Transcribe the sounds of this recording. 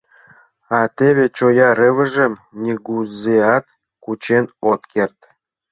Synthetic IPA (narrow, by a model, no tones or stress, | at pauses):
ɑt̪eβet͡ɕojɑɾɘ̆və̆ʒə̆mnʲiɣuzeɑt̪ | kut͡ɕenot̪kert̪